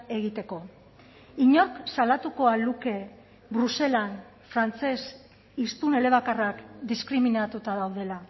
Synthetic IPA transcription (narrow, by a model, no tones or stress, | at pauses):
e̞ɣit̪e̞ko̞ | iɲo̞ɾksalat̪uko̞aluke̞ | bɾuse̞lan | fɾant͡se̞s | ist̪une̞le̞β̞akarakd̪iskɾiminat̪ut̪aðawð̞e̞la